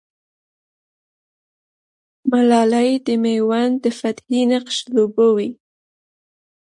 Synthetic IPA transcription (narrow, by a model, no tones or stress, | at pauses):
malɑlajd̪əmejwand̪əfat̪hinaqʃlobəwi